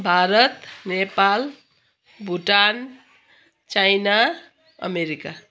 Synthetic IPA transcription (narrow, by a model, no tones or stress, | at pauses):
bʱaɾʌt̪nepal | bʱuʈan | t͡ʃajna | ə̰meɾika